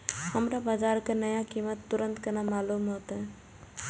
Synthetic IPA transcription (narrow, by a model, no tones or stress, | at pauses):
ɦəmɾabad͡ʒaɾkenəjakimət̪ːuɾənt̪kənamalumɦot̪ə